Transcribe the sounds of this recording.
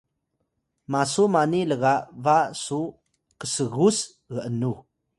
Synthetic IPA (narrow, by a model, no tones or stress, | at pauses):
masumaniləɣaʔvasu | kəsəɣus | ɣəʔənu